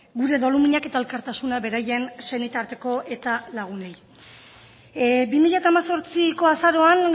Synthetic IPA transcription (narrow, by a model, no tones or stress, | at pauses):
ɡuɾe̞ðo̞lumiɲake̞t̪ae̞lkaɾt̪asunaβe̞ɾaje̞nse̞nit̪aɾt̪e̞ko̞ʔe̞t̪alaɣ̞unej | bimiʎat̪aːmaso̞ɾt͡siko̞asaɾo̞an